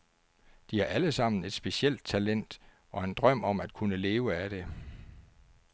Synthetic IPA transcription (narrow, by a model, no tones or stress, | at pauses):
d̥ihɑ̈ʔæləsɑ̈m̰n̩e̝d̥sb̥e̝siel̰d̥̚t͡sʰælen̰d̥ | ʔɒ̽e̝nd̥ʁɶm̰ɒ̽mæd̥̚kʰunəle̝ːʊəæɾ̥e̝